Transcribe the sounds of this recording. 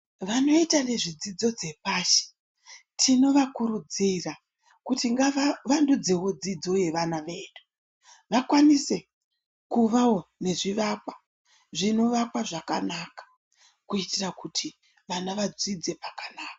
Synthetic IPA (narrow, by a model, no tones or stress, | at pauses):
ʋano̞itane̞ʐid͡zid͡zo̞d͡ze̞paʃe̥ | tʰino̞ʋakuɾud͡zira | kutiŋɡaaʋandud͡ze̞wo̞d͡zid͡zo̞je̞ʋanaʋe̞ːɗu̥ | ʋakwanise̞ | kuʋao̞ne̞ʐiʋakwa | ʐino̞ʋakwaʐakanakḁ | kuitirakutʰi | ʋanaʋad͡zid͡ze̞pakanaːka